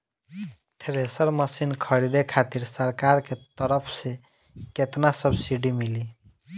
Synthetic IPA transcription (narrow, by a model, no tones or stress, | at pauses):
t̪ʰeɾesəɾməsinkʰəɾid̪ekʰat̪iɾsəɾkaɾket̪əɾəpʰse | ket̪nasəbsiɖimili